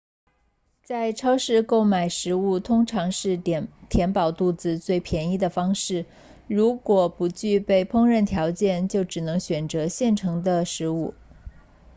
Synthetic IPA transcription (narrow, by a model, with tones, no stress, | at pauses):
t͡sa˥˧ɪʈ͡ʂʰɑ˥ʊʂɻ̩˥˧ko˥˩ʊma˨˩ɪʂɻ̩˧˥u˥˩t̪ʰʊ˥ŋʈ͡ʂʰɑ˧˥ŋʂɻ̩˥˩˨t̪ʰjɛ˧˥npɑ˨˩ʊt̪u˥˩t͡sɹ̩˩t͡swe˥˩ɪpʰjɛ˧˥ni˥˩d̪ə˩fɑ˥ŋʂɻ̩˥˩ | ɻu˧˥kwɔ˨˩pu˧˥t͡ɕy˥˧pe˥˩ɪpʰʊ˥ŋɻə˥˩nt̪ʰjɑ˧˥ʊt͡ɕjɛ˥˧nt͡ɕjo˥˩ʊʈ͡ʂɻ̩˨˩nɤ˧˥ŋɕɥɛ˨˩nt͡sɤ˧˥ɕjɛ˥˩nʈ͡ʂʰɤ˧˥ŋd̪ə˧ʂɻ̩˧˥u˥˩